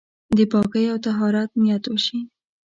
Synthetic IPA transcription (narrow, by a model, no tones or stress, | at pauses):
d̪əpɑkəjawt̪aɦɑɾɑt̪̚mjat̪wəʃi